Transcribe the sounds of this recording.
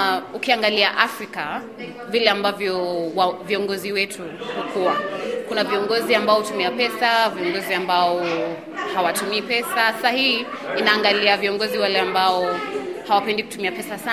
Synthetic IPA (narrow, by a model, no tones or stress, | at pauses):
ukiaŋɡaliaʔafɾika | vilɛambavjɔwviɔŋɡɔziwɛtʰuhukʰuakunaviɔŋɡɔziambaɔhutumiapɛsaviɔŋɡɔziambaɔ | hawatumiːpɛsasahihiː | naːŋɡaliaviɔŋɡɔziwalɛambaɔhawapɛndiku̥tumiapɛsasa